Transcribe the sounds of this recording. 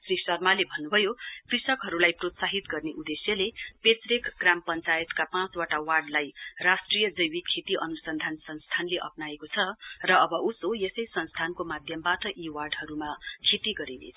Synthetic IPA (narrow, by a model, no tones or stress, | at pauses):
srisʌrmalebʱʌnːubʱʌjokrisʌkɦʌɾulajprot̪saɦit̪ɡʌrneʔud̪esjʌlepet͡srekɡrampʌnt͡sajet̪kapãt͡swaʈawarɖlajrasʈrijʌd͡zʌjwikʰːet̪iʔʌnusʌnd̪ʱansʌnst̪ʰanleʔʌ̰pnaekot͡sʰʌrʌːbʌʔusojesʌjsʌnst̪ʰankomad̪ʱjʌmbaʈʌʔiwarɖɦʌɾumakʰet̪iɡʌɾinḛ